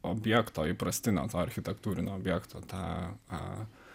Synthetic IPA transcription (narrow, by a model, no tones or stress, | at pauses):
ɔːbʲjɛkt̪oːɪpɾɐsʲt̪ʲɪnʲo̰ːt̪oːɐɾʲxʲɪt̪ʲɛkt̪uːɾʲɪnʲoːbʲjɛkt̪o̰ːt̪ɑ̰